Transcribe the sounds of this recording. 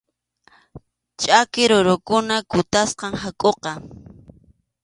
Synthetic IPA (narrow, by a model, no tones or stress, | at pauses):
t͡ʃʼakɪɾʊɾʊkʊnakʊt̪asqɑŋɦakʼoqɑ